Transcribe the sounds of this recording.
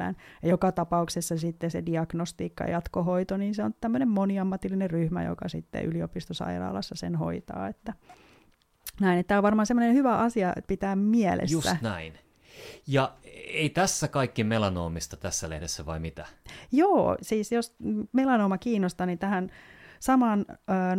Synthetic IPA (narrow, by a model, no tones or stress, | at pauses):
æ̰ːnjɑjokɑt̪ɑpɑuksesːɑsit̪ːesediɑɡ̥nost̪iːkːɑ̰j̰jɑt̪koɦoit̪oniːnseont̪æmːønemmoniɑmːɑt̪ilːinerryhmæ̰jo̰kɑ̰sit̪ːḛʔyliopist̪osɑ̰irɑ̰ːlɑsːɑsenho̰it̪ɑ̰ːet̪ːæ | næinet̪ːæːoʋʋɑrmɑːnsemːonenhyʋæʔɑsiɑpit̪æːmmiɛlʔḛsjusæ̰næin | jɑeit̪æsːækɑikːimelɑno̰ːmist̪ɑt̪æsːælḛhdesːæʋɑimit̪æjoːsiːsjosmelɑnoːmɑkiːnːost̪ɑnint̪æhænsɑmɑːnː